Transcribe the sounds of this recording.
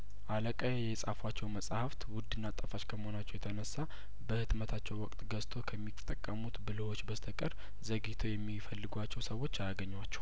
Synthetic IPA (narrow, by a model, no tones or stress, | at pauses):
ʔaləkʼajajɛsʼafwat͡ʃːɛwməsʼhaft̪wʊd̪ːɨnːat̪ʼəfat͡ʃkʰəməho̞nat͡ʃːɛwjɛt̪ʰənəsːa | bəhɨt̪mət̪ʰat͡ʃːɛwwɔkʼt̪ɡəst̪ʰo̞kʰəmːit̪ʼːəkʼːəmut̪bɨləwo̞t͡ʃːbəst̪ʰəkʼəɾ | zəɡit̪ʰo̞jɛmːifəlːɨɡʷat͡ʃːɛwsəwo̞t͡ʃːajaɡəɲːwat͡ʃːɛ̥w